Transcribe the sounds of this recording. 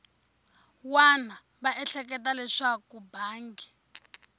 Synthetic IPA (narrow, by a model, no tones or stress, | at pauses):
wana | βaʔɛɬɛk̬ɛtalɛʂakubʱaːŋɡɛ